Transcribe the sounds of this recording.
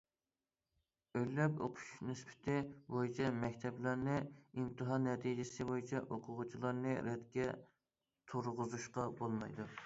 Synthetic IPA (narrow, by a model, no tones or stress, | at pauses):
øjlːɛpo̰qʰʊ̥ʃnɪspɪ̥t̪ʰɪbojit͡ʃʰɛmɛkʲt̪ʰɛplæɾnɪimt̪ʰɨɦɑnːɛt̪ʰid͡ʒɪsɪbojit͡ʃʰɛʔoqʰʊʁʊt͡ʃʰilˠɑɾnɨɾɛt̪kʲɛ | t̪ʰuɾʁʊzuʃqɑbolˠmɑjd̪u